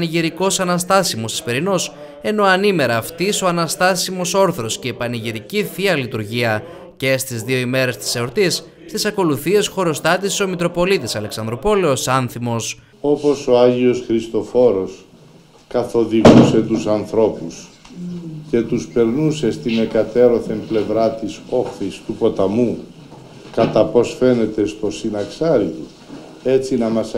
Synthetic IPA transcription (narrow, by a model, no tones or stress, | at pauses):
niʝiɾiko̞sɐnɐst̪ɐsimo̞st̪i̥spe̞ɾino̞s | e̞no̞ɐnime̞ɾɐːft̪iso̞ɐnɐst̪ɐsimoso̞ɾθɾo̞sce̞ːpɐniʝiɾiciθiɐlit̪uɾʝiɐ | ce̞st̪izðio̞ime̞ɾe̞st̪i̥seo̞ɾt̪is | st̪isɐko̞luθie̞sxo̞ɾo̞st̪ɐt̪iso̞mit̪ɾo̞po̞lit̪isɐleksɐnd̪ɾo̞po̞le̞o̞sɐnθimo̞s | o̞po̞so̞ɐʝio̞sxɾist̪o̞fo̞ɾo̞s | kɐθo̞ðiɣuse̞t̪usɐnθɾo̞pus | ce̞t̪uspe̞ɾnuse̞st̪ime̞kɐt̪eɾo̞θe̞mple̞vɾɐt̪iso̞xθist̪upo̞t̪ɐmu | kɐt̪ɐpo̞sfe̞ne̞t̪e̞st̪o̞sinɐksɐɾiu | e̞t͡sinɐmɐs